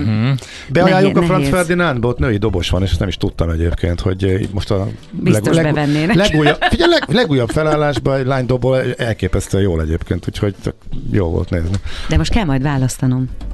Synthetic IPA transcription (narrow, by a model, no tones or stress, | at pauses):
bɛɒjaːjːukɒfrɒnfɛrd̪inanbot̪nøːid̪o̞bo̞ʃʋɒneːʃɛst̪nɛmiʃt̪ut̪ːɒmɛɟeːpkʰeːnt̪ho̞̰ɟ̰mo̞ʃt̪ɒbilsɛɡ̪olɛbɛvɛnːeːnɛlɛɡuːjːɒfiɟɛlɛɡlɛɡuːjːɒbfɛlaːlːaːʒbɒɛlaːɲd̪obolɛlkeːpɛst̪ɛjoːlɛɟeːpkeːnt̪uːcho̞ɟt͡ʃɒ̰k̚joːlvo̰lt̪neːznid̪ɛmo̞ʃt̪kɛlmɒjd̪ʋaːlɒst̪ɒno̞m